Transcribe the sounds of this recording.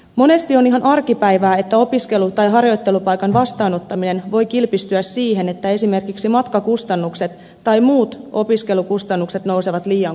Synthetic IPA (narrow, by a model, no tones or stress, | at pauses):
mo̞ne̞st̪io̞niɦɑnʔɑrkipæjʋæːe̞t̪ːæo̞piske̞lut̪ɑjɦɑrjo̞jt̪ːe̞lupɑjkɑnʋɑst̪ɑːno̞t̪ːɑmine̞nʋo̞jkilpist̪yæsːiːɦe̞ne̞t̪ːæe̞sime̞rkiksimɑt̪kɑkust̪ɑnːukse̞t̪ːɑjmuːt̪o̞piske̞lukust̪ɑnːukset̪no̞wse̞ʋɑt̪liːɑŋ